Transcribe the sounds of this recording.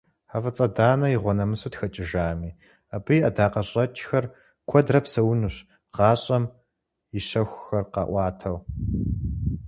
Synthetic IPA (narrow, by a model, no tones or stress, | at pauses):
ħavɐt͡sʼɐdaːnɐjiʁʷɔnɐmɨsutxɐt͡ʃʼɪʒaːmiː | abɨjʔɐdaːqɐɕʼɐt͡ʃʼxɐr | kʷʰɔdrɐpsɐwnuɕ | ʁɑːɕʼɐm | jɪɕɐxʷxɐrqɑ̰ːʔʷɑːtʰɐw